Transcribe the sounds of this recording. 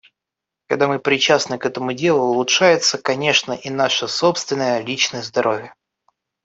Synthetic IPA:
kɐɡd̪amɨpɾʲɪt͡ɕasnɨkɛt̪əmʊdʲe̞lˠʊʊlˠʊtʂajɪt̪səkɐnʲe̞ʂnəʔinaʂəso̞pst̪vʲɪnːəjəlʲit͡ɕnəjəzd̪ɐɾʔo̞vʲɪjə

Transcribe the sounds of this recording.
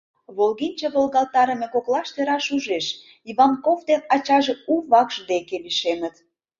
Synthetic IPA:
βolɣinʲt͡ɕɑβolɣɑlˠt̪ɑɾə̆mekoklɑʃt̪eɾɑʃuʒeʃ | iβɑnkovd̪enɑt͡ɕɑʒeuβɑkʒ̥d̪ekeβiʃenət̪

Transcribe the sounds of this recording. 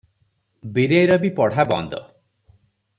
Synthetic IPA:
biɾejɾɔbipɔɽ̤abɔ̰nd̪ɔ̰

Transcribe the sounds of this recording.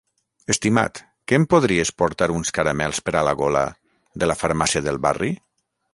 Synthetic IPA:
est̪ima̰t̪ | kempoð̞ɾiespoɾt̪aɾunskaɾamɛlˠspəɾalaɣola̰ | ðəlafaɾmasiaðəlˠβa̰ri

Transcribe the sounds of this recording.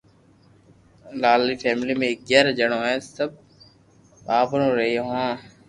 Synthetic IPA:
laːliːfʰɛːmliːmẽk̚ɡɛːɾːd͡ʒəɳoːɦɛ̃ːsəb̚ | aːbɾõːɾəɦioːɦãː

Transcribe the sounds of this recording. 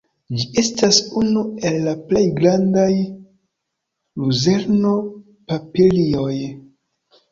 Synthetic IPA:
d͡ʒie̞stasunue̞lːaple̞jɡɾandaj | luze̞ɾno̞ | papilio̞j

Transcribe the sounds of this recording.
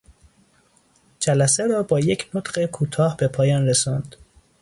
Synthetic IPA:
d͡ʒælæseɾɒːbɒːje̞cʰnot̪ɢe̞kʰuːt̪ʰɒːhbe̞pʰɒːjɒːnresɒnd̪̥

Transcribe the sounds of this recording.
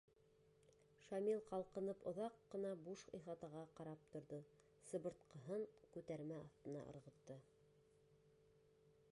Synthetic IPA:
ʃɑmilˠqɑlˠqɤ̆nɤpŏðɑqːɤ̆nɑbuʃqḭjχɑt̪ɑʁɑqɑɾɑp̚t̪ŏɾðɤ | sɤ̆bɤ̆ɾt̪qɤ̆ɦɤɴkʉt̪æɾmæɑθt̪ɤ̆nɑ̰ʔɤ̰̆ɾʁɤ̆t̪ːɤ

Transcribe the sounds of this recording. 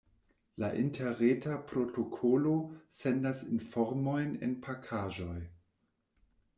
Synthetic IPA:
laʔintʰeɾetapɾotokʰolosendasinfoɾmo̞jnḛnpʰakʰaːʒo̞j

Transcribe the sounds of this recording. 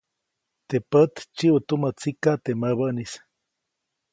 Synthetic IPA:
t̪epət̪t͡ʃiʔut̪umət͡sikat̪eməβəʔnis

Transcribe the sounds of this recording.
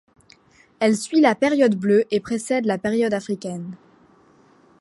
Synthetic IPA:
ɛlsɥilapeʁjɔd̪bløʔepχesɛd̪lapeʁjɔd̪afχikʲɛn

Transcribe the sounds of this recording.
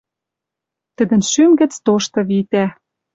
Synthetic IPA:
t̪ə̆d̪ə̆nʃymɡə̆t͡st̪oʃt̪ɤ̆βit̪æ

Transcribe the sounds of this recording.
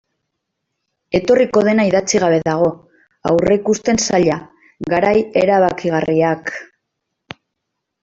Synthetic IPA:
e̞t̪o̞riko̞ðe̞naiðat͡siɣaβ̞e̞ðaɣ̞o̞ | awreikust̪e̞nsaʎa | ɡaɾaje̞ɾaβ̞akiɣ̞ariak

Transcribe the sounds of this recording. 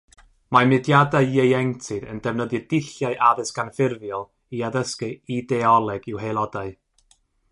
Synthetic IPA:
mamɨdjadaɨjejɛŋtʰɨðə̰ndɛvnəðjɨdɪɬjaɨʔaðɨsɡ̥anfɪrvjɔlˠ | iaðəskɨidɛɔlˠɛɡɪwɦejlˠɔdaɨ

